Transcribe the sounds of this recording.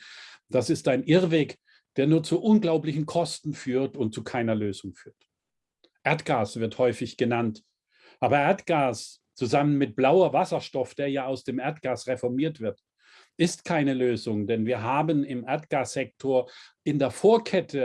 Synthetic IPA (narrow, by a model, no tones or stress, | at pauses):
d̥asɪstaɪnʔɪʁveːk | d̥eːɐnuːɐt͡suʔʊnɡlaʊplɪçn̩kʰɔstn̩fyːɐtʊnt̚t͡sukʰaɪnɐløːzʊŋfyːɐt | ʔeɐtɡ̥aːsv̥ɪɐthɔʏfɪçɡ̥ənant | ʔaːbɐʔeɐtɡ̥aːs | t͡suzamənmɪt̚b̥laʊɐvasɐʃtɔfd̥eːɐjaːaʊsd̥eːmʔeɐtɡ̥aːsʁefɔɐmiːɐtv̥ɪɐt | ʔɪstkʰaɪnəløːzʊŋdɛnviːɐɦaːbənɪmʔeɐtɡ̥aːsz̥ɛk̚tʰoːɐʔɪndeːɐfoːɐkʰɛtʰə